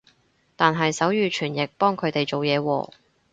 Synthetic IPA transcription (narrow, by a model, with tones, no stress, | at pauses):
t̪aː˨nɦɐ˨jsɐ˨˥wjyː˨˧t͡ʃʰyː˨˩njɪ˨k̚pɔː˥ŋkʰɵ˨˧t̪e˨jt͡so˨wjɛː˨˧wɔ̰ː˧